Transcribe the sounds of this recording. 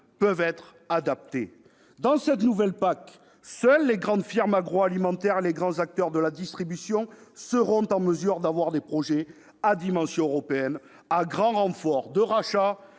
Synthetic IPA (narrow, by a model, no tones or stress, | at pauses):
pœvɛt̪χ | ad̪ap̚t̪e | d̪ɑ̃sɛt̪nuvɛlpak | sœlːeɡʁɑ̃d̪fiʁmaɡʁoalimɑ̃t̪ɛʁeleɡʁɑ̃zak̚t̪œʁd̪əlad̪ist̪χibysjɔ̃səʁɔ̃t̪ɑ̃məzyʁd̪avwaʁd̪epχɔʒe | ad̪imɑ̃sjɔ̃øʁɔpeɛn | aɡʁɑ̃ʁɑ̃fɔʁd̪əʁaʃa